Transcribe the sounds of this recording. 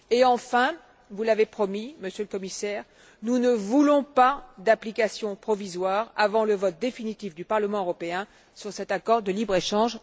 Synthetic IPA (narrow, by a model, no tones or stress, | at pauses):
eɑ̃fɛ̃ | vulavepχɔmiməsjøləkɔmisɛʁ | nunəvulɔ̃pad̪aplikasjɔ̃pχɔvizwaʁavɑ̃ləvɔt̪̚d̪efinit̪ifd̪ypaʁləmɑ̃øʁɔpeɛ̃ | syʁsɛt̪akɔʁd̪əlibʁeʃɑ̃ʒ